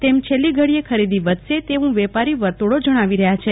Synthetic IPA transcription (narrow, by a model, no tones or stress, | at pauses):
t̪emt͡ʃʰelːiɡʱəɽijekʰəɾid̪iʋəd̪ʃet̪eʋũʋɛpaɾiʋəɾt̪oɽod͡ʒəɽ̃aʋiɾəɦjat͡ʃʰe